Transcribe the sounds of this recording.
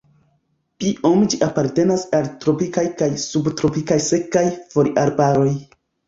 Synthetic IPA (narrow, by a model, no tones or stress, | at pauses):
kiʔo̞md͡ʒiʔapaɾte̞nasaltɾo̞pikajkajsubtɾopikajse̞kajfo̞ɾiʔaɾbaɾo̞j